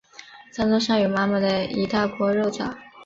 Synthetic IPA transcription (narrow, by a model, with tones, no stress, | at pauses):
t͡sa˥nt͡swɔ˥ʂɑ˥˩ŋjo˨˩ma˥mə˨d̪ə˩i˧˥t̪a˥˩kwɔ˧˥ɻo˥˩ʊt͡sɑ̰˨˩˦